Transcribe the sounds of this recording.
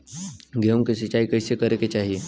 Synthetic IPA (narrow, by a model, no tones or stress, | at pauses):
ɡemkesit͡ʃaːikəɪsekəɾeket͡ʃaːɦie